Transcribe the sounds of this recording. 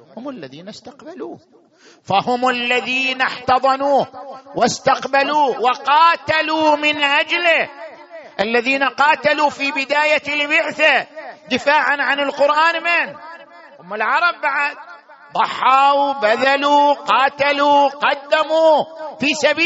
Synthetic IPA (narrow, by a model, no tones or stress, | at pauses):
hʊmalːaðiːnast̪aqbaluː | fahʊmalːaðiːnaħt̪ɑðˤɑnuːwast̪aqbaluːwɪqɑːt̪aluːmɪnʔad͡ʒlɪ | ʔalːaðiːnaqɑːt̪alufiːbɪd̪aːjalbɪʕθad̪ɪfaːʕanʕanɪlqʊɾʔaːnmɪn | ʔʊmːɪlʕɑɾˤɑbːaʕad̪̚ | d̪ˤɑħːɑːwbaðaluqɑːt̪aluqɑd̪ːamuːfiːsabiː